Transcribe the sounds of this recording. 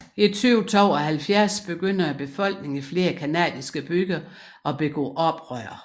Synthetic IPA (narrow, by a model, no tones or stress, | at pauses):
it͡sʰyʊt͡sʰɒʊɒhælfjæɐsb̥e̝ɡ̥øn̰ɐæb̥e̝fɒ̽l̰ɡ̥ne̝ŋifle̝ːɐkʰænɛ̰ːðˠisɡ̥əb̥yɡ̥ɐ | ʔɒ̽b̥e̝ɡ̥ɔ̰ːʔɒ̽b̥ʁœɐ̰